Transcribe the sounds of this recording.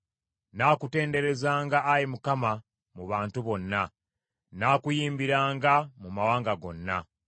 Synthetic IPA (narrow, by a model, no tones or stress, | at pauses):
naːkute̞ːnde̞ɾe̞zaːŋɡaːjimukama | muβaːntuβo̞nːa | naːkujiːmbiɾaːŋɡamumawaːŋɡaɡo̞nːa̰